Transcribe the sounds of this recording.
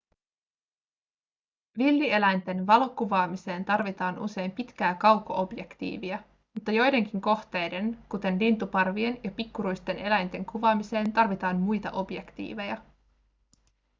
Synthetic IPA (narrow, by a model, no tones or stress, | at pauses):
ʋilːie̞læjnt̪e̞nʋɑlo̞kuʋɑːmise̞ːnt̪ɑrʋit̪ɑːnṵse̞jmpit̪k̟æːkɑwkːoʔo̞bje̞kt̪ḭːʋiæ | mut̪ːɑjo̞jde̞ŋk̟iŋko̞xt̪e̞jde̞nkut̪e̞nlint̪upɑrʋie̞njɑpikːuɾujst̪e̞ne̞læjnt̪e̞ŋkuʋɑːmise̞ːnt̪ɑrʋit̪ɑːnmujt̪ɑ̰ʔo̞bje̞kt̪ḭːʋe̞jɑ